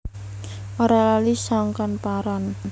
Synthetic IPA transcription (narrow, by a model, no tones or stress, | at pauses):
oɾalalisaŋkɔnpaɾɔn